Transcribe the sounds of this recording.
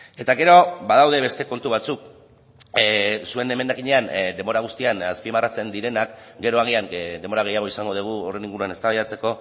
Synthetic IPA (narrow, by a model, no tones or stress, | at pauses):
e̞t̪aɣe̞ɾo̞bað̞awðe̞βe̞st̪e̞ko̞nt̪uβ̞at͡suk | sue̞ne̞me̞nd̪akiɲe̞and̪e̞mo̞ɾaɣ̞ust̪ianaspimarat͡se̞nd̪iɾe̞nakɡe̞ɾo̞aɣ̞iaŋd̪e̞mboɾaɣ̞e̞jaɣ̞o̞isaŋɡo̞ð̞uɣ̞uore̞niŋɡuɾuane̞st̪aβajðat͡se̞ko̞